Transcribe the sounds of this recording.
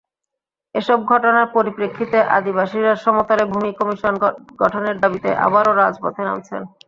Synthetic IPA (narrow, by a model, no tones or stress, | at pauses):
eʃɔb̚ɡʱɔʈonaɾpoɾipɾekʰːit̪eʔa̰d̪iβaʃiɾaɾʃɔmot̪aɾebʱumikɔmiʃonɡɔʈʰoneɾd̪abit̪ḛʔa̰baɾoɾad͡ʑpo̰t̪ʰena̰mt͡ɕʰḛn